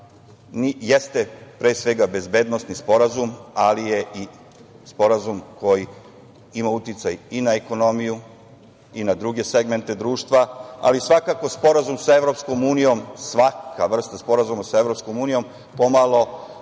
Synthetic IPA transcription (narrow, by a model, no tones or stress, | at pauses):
nije̞st̪epɾeːsʋe̞ɡabe̞zbe̞d̪no̞st̪nispo̞ɾazumalije̞ʔi | spo̞ɾazumko̞ji | imaut̪it̪sajinaeko̞no̞miju | inad̪ɾuɡe̞seɡme̞nt̪e̞d̪ɾuːʃt̪ʋaa̰lisʋakako̞spo̞ɾazumsae̞ʋɾo̞psko̞muːnijo̞msʋakaʋr̩st̪aspo̞ɾazumasae̞ʋɾo̞psko̞muːnijo̞m | pomalˠo̞